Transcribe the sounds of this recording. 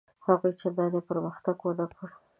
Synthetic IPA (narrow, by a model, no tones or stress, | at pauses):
haɣujt͡ʃebɑjad̪epəɾməxt̪aɡwolakʰəɽu